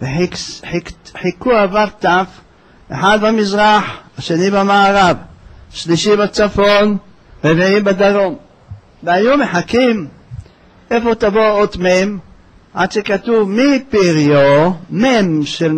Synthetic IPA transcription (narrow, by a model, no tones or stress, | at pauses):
veħiħiħikuavaɾt̪af | ʔḛħad̪bamizʁaħaʃenibamaːʁavʃliʃibat͡safon | veviimbad̪aʁom | veajumeħakim | efot̪avoot̪mem | ʕa̰d̪ʃekat̪uvmipiʁijomemʃel